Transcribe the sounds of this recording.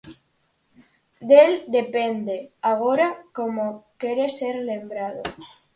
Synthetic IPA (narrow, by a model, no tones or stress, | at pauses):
d̪eld̪e̞pend̪eaɣ̞oɾakomokeɾeseɾle̞mbɾaðo